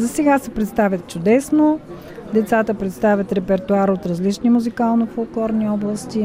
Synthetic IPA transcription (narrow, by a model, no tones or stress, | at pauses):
zɐsɛɡasɛpɾɛt̪st̪avʲjət̪t͡ʃʊd̪ɛsno | d̪ɛt̪sat̪əpɾɛt̪st̪avʲjət̪ɾɛpɛɾt̪oaɾot̪ɾɐzlit͡ʃnimuzikalˠnofolˠklˠɔɾniɔblˠəst̪i